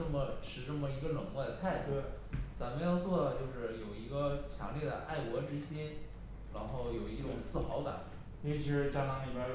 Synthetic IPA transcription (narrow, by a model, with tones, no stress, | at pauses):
ɤ˥˩mə˩ʈ͡ʂʰɻ̩˧˩ʈ͡ʂə˥˩mə˩i˧˥ɡə˧lɤ˨˩ŋwɔ˥˩d̪ə˧t̪ʰa˥˩ɪt̪w | t͡sa˧˥mə˧jɑ˥˧ʊt͡swɔ˥˩t͡ɕjo˥˧ʊʂɻ̩˥˩jo˨˩ʊi˧˥ɡə˧t͡ɕʰjɑ̰˧˥ŋljɛ˥˩də̰˧˩ʔa˥˩ɪkwɔ˧˥ʈ͡ʂɻ̩˥ɕjɛ˥n | ɻa˧˥nxo˥˩ʊjo˨˩ʊi˧˥ʈ͡ʂʊ˨˩ŋt͡sɹ̩˥˩˧xɑ˧˥ʊt̪a̰˨˩˦ | jt͡ɕʰi˧˥ʂɻ̩˧˥ʈ͡ʂa˥˩nɑ˧˥ŋli˨˩ba˧˥